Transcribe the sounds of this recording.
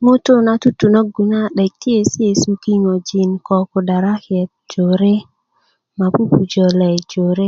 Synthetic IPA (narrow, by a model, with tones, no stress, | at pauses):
mo˦to˦na˦tu˦tu˨no˦ɡu˨na˦˨ɗɛ˨k̚tje˦sɪ˦e˦˨su˦ki˦ŋɔ˨d͡ʒi˨nkɔ˨ko˨da˨ɾa˦kɛ˨t̪̚d͡ʒo˨ɾe˦ | ma˨ku˦pu˨d͡ʒɔ˨lɛ˨d͡ʒo˨ɾe˦